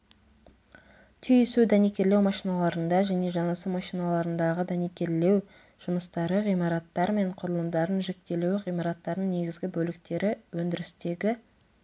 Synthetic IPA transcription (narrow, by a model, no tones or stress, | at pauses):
t̪ʰʏjʏsud̪ænekʲe̞ɾlewmɑʃijnɑlˠɑɾənd̪ɑʒæne̞ʒɑnɑsumɑʃijnɑlˠɑɾənd̪ɑʁəd̪ænekʲe̞ɾle̞w | ʒ̥ʊməst̪ɑɾəʁijmɑɾɑt̪ːɑɾme̞ɴqʰʊɾəlˠəmd̪ɑɾənʒe̞k̚t̪e̞luwʁijmɑɾɑt̪ːɑɾd̪ənne̞ɡʲɪzɡʲɪbɵlɪk̚t̪e̞ɾɪwɵnd̪ɪɾɪst̪e̞ɡʲɪ